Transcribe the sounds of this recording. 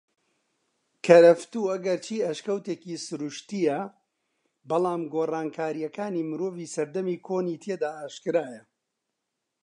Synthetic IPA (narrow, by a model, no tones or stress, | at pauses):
kʰɐɾɐft̪uːɐɡɐɾt͡ʃʰiːɐʃkɐwt̪eːkiːsʊɾuʃt̪ijɐ | bɐlˠaːmɡoːraːnkʰaːɾijɐkaːniːmɨɾoːviːsɐɾd̪ɐmiːkʰoːniːt̪ʰed̪aːʔaːʃkɨɾaːjɐ